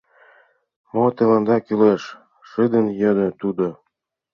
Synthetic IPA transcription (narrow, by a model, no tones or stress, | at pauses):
mot̪ĕlɑnd̪ɑkyleʃ | ʃɨd̪ə̆njə̆d̪ə̆t̪ud̪o